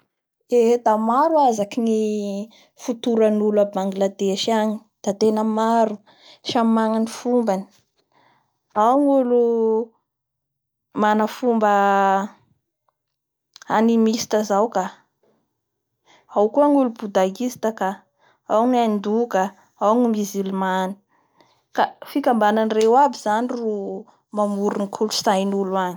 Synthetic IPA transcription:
ed̪amaɾuazakini | fut̪uɾanulabaŋɡilad̪eʃaɲi̥ | d̪̥at̪enəmaɾu | ʃamaŋanifumbani̥ | awŋulu | manəfumbə | animisi̥t̪əzawka | awkuaŋulubud̪aɡisi̥t̪əka | awnand̪uka | awŋumizilimani̥ | kafikʲambananirewabiz̥aniru | mamuɾunikʰulusajnuluaŋi

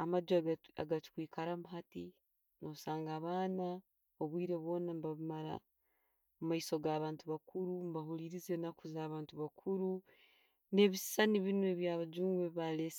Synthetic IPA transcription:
amaɟoa̰ɡati̥kwiːkʰaɾamuɦati | nosaːŋɡaβaːna | o̞βwiːɾe̞βwo̞ːnambaβimaɾa̰ | mumaiso̞ɡaːβaːntuβakuɾumbahuliɾize̞nakuzaːβaːntuβakʰuɾu | ne̞βissaniβinweβjaːβad͡ʒuːŋɡeβales

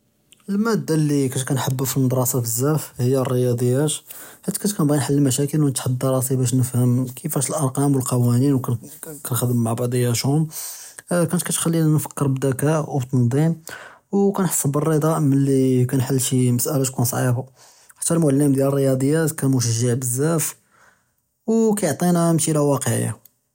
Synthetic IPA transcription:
əlmæd̪ːalːikæʃkænħəbːufilnd̪ˤɾˤɑsɑbəzːæfhəjːærːəjɑd̪ˤəjːæt̪ħæt̪ːæ̥kæt̪kænbɑnħəlːmæʃækəlwnət̪ħəd̪ːɑɾˤɑsibæʃ̬nəfhəmkʰəfæʃəlʔɑɾˤqɑmwəlqɑwæninwkænxəd̪əmːaʕbɑʕd̪ˤəjːæʃʊm | kænt̪kæt̪xælːinnfə̥kːəɾbd̪ækæʔwbt̪ːɑnd̪ˤimwkænħsˤːəbərˤːəd̪ˤɑʔmənlikænħəlːʃiməsʔælæt̪kunsˤʕḭba | ħḁt̪ːælmʊʕlːimd̪jælərːəjɑd̪ˤəjːæt̪kænmuʃəʒəʕbəzːæf | wkæjʕt̪ˤinæmʃiɾawɑqəʕə̰ja̰

